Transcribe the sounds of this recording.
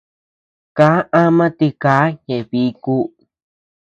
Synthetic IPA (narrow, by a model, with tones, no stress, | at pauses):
ka˦ʔã˦mã˦t̪i˧ka˨˦ɲẽ˨βi˧˦ku˧˦